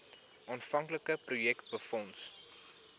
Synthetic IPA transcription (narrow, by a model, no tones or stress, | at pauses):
ʔɑːnfɐŋkləkəprujɛkt̚bəfɔns